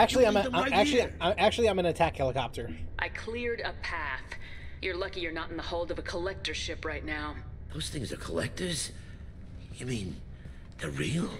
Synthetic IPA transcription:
æk̚t͡ʃul̩ˠiãɪ̃mãɪæk̚t͡ʃʉl̩ˠiaãɪ̃mæk̚t͡ʃʉl̩ˠiãɪ̃mɨ̃nɨtʰækhɛlˠəkɑp̚tʰə˞ʔaɪkʰl̥ɪɹɾəpʰæθjə˞lʌkijə˞nəɾn̩ðəhoʊlˠdʌvəkʰəlɛk̚tə˞ʃɪpɹaɪtⁿnaʊðoʊz̥θɪ̃ŋzə̰˞kʰəlɛ̰k̚tə˞z̥ | ɨmĩn | ðəɹilˠ

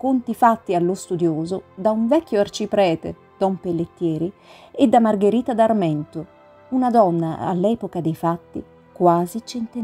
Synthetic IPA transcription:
kont̪ifat̪ːialːost̪ud̪joːzod̪auɱvɛkːjoart͡ʃipɾɛːt̪ḛ | d̪̥ɔmpelːet̪ːjɛːɾi | ed̪ːamarɡeɾiːt̪ad̪armɛnt̪o | unad̪ɔnːa̰a̰lːɛːpokad̪ejfat̪ːḭ | kwaːzit͡ʃent̪e

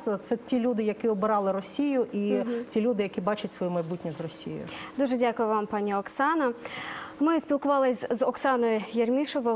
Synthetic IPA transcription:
t̪sɛtʲilʲud̪ɪjɐkiɔbɪɾɑlˠɪɾɔsʲijʊʔitʲilʲud̪ɪjɐkʲibɑt͡ʃɐt̚ʲsʋɔjimɐjbutʲnʲizrɔsʲijo̰jʊ̰d̪uʒɛdʲakʊjʊʋɑmpɑnʲːiɔksɑnɐ | mɪsʲpʲilˠkʊʋɑlˠɪzɔksɑnɔjʊjermʲiʃɔʋɔ

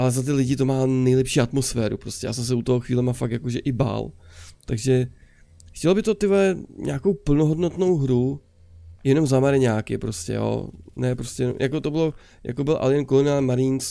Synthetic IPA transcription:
ʔalɛzat̪̬ɪlɪɟɪt̪o̞maːnɛjlɛpʃiːat̪mo̞sfɛːɾṵpɾostcɛja̰ːsɛms̬ɛut̪oɦoxviːlɛmamfakt̪jakoʒɛʔɪba̰lt̪aɡʒɛ | xcɛlbɪt̪ot̪ɪlɛɲʔa̰ːko̞wpl̩noɦodnot̪no̞wɦɾu | jɛno̞mzamaɾɪɲaːkɪ̰pɾo̞scɛ̰jo̰nɛpɾo̞scɛjɛnomjʔa̰kot̪o̞bɪlo̞ | jʔa̰kobɪlʔa̰lɪjɛnkolonɪalmaɾɪns

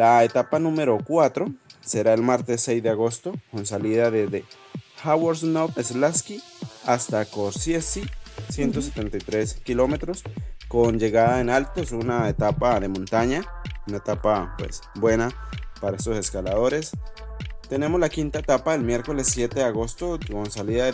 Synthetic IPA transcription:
laet̪apanũmeɾokwat̪ɾoseɾaelmaɾt̪esːejzd̪eaɣost̪okonsaliðaðezðe | xawaɾsnoteslaskiast̪akoɾsjesisje̞nt̪os̬et̪ent̪ajt̪ɾeskilomet̪ɾoskond͡ʒeɣaðaenalt̪osunaet̪apaðemõnt̪aɲaunaet̪apapwḛsbwenapaɾaesose̞skalaðoɾes | t̪ene̞mozlakint̪aet̪apaelmje̞ɾko̞lesːje̞t̪eðeaɣost̪okonsaliða

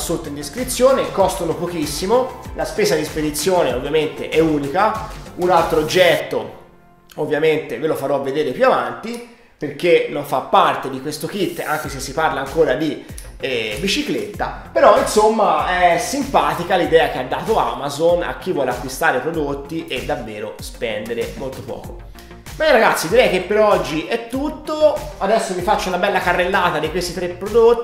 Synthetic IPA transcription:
sot̪ːoind̪iskɾit̪sːjoːnekɔst̪onopok̟isːimolaspeːzad̪isped̪it̪sːjoːneovːjament̪eʔɛuːnikaunalt̪ɾoːd͡ʒːɛt̪ːo | ovːjament̪evelofaɾɔvːed̪eːɾepjuavant̪i | perk̟enːoɱfapːart̪ed̪ikwest̪okit̪ːa̰ŋk̟esesːiparlaːŋkoːɾad̪i | ɛbit͡ʃiklet̪ːa̰ | peɾɔinsomːaɛsːimpaːt̪ikalid̪ɛːak̟ead̪ːaːt̪oa̰mazona̰k̟ːivːwɔːleakwist̪aːɾepɾod̪ot̪ːiʔed̪ːavːeːɾospɛnd̪eɾemolt̪opɔ̰ːko̰ | mɛɾaɡat̪sːid̪iɾɛjk̟epːeɾɔd͡ʒːiʔɛt̪ːut̪ːoad̪ɛsːovifat͡ʃːaunabɛlːakarːelːaːt̪ad̪ikwest̪it̪ɾepːɾod̪ot̪ː

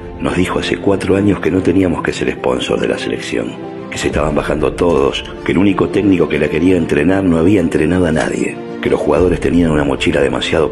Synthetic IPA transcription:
nozðixo̞ase̞kwat̪ɾoaɲo̞skeno̞t̪e̞niamo̞skeseɾespo̞̰nsoɾðelʔa̰sele̞̰ksjo̰ŋ | kesest̪aβambaxand̪ot̪o̞ðo̰s | keluniko̞t̪ekniko̞kelakeɾiaent̪ɾenaɾno̞aβiaent̪ɾenaðoana̰ðjḛ | kelo̞sxuɣað̞o̞ɾest̪e̞nianunamo̞t͡ʃilaðe̞ma̰sjað̞o̞

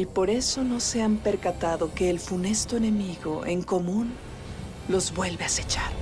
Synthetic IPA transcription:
ipo̞ɾe̞so̞no̞se̞ampe̞ɾkat̪aðo̞ke̞ːlfune̞st̪oene̞miɣo̞ʔe̞ŋko̞mũn | lo̞zβwe̞lβe̞ase̞t͡ʃaɾ

